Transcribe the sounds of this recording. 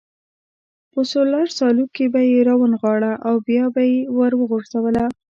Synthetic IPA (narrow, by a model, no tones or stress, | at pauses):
pəsolaɾsɑlukebajeɾawənɣɑɽaʔawbjɑbajewəɾwəɣoʐzawəla